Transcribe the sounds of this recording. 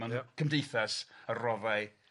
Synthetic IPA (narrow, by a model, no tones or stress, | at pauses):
ankʰəmdejθɛsərɔvaɨ